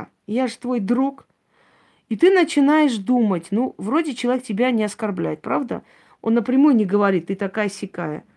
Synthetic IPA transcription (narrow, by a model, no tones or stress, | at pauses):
jaʐɨ̥t̪vo̞jd̪ɾuk | it̪ɨnət͡ɕɪnajɪʂd̪umətʲnuvɾo̞dʲɪt͡ɕɪlˠɐvʲek̚tʲɪbʲanʲɪɐskɐrblʲæ̰jɪt̪̚pɾavd̪ə̰ | o̞̰nːəpɾʲɪmujʊnʲɪɡəvɐɾʲit̪ːɨt̪ɐkajəsʲɪkajə̰